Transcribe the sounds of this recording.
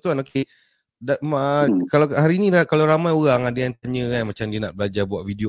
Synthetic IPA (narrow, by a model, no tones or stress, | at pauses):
t̪uanoke | damkalahaɾiːnĩlakalawɾamajoɣaŋadeant̪̚aɲə̃kanmat͡ʃamdiənaʔbəlad͡ʒabuaʔvidio